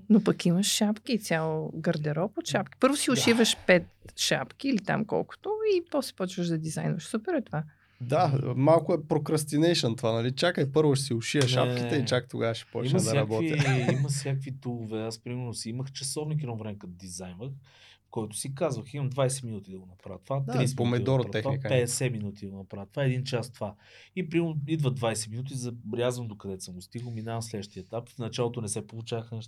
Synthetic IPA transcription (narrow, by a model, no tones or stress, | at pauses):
nopɐkiməʃʃapkit̪sʲjalˠoɡɐɾd̪ɛɾɔpot̪ʃapkʲi̥pɤɾvʊsiʊʃivəʃpɛt̪ʃapkiːlit̪a̰mkɔ̰lˠkʊ̥t̪ʊipɔsɛ̥pɔt͡ʃvəʒd̪ɐd̪izajnvəʃsupɛɾɛt̪ova | d̪amalˠkʊɛpɾokɾɐst̪inɛjʃənt̪ovanɐlit͡ʃakəɛpɤɾvʊʃɛsiʊʃiəʃa̰pkʲit̪ɛit͡ʃakt̪oɡavəʃɛ̥pɔ̰t͡ʃinɛsd̪ɾɐbbɔt̪ijɐimɐsʲjakvit̪ulˠovɛaspɾimɛɾnʊsiiməxt͡ʃɐsɔvnik̬iɾɔvɾɛmɛkɐt̪d̪izajnvəx | kɔjt̪ʊ̥sikazvəximɐmd̪vajsɛminut̪id̪ɐɡonɐpɾavət̪vat̪ɾipomɛid̪ɔɾoɾt̪ɛxvaikpɛɛsɛminut̪id̪ɐɡonɐpɾavət̪ovaɛd̪int͡ʃast̪ova | ipɾimɛɾid̪vəd̪vajsɛminut̪̬izɐbɾʲjazvəmd̪okɐd̪ɛsəmɡʊst̪iɡəlˠminavɐmslɛd̪əʃt̪iəɛt̪apfnɐt͡ʃalˠot̪onɛsɛpolˠʊt͡ʃavəxnɛʃt̪